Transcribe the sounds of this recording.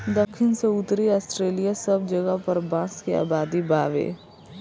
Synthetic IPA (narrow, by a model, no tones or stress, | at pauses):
d̪ɐkʰːɪnseʊt̪ɾiaːsʈɾeːlijasɐbd͡ʒɐɡəpɐɾbãːskia̰ːbaːd̪ibaːʋḛː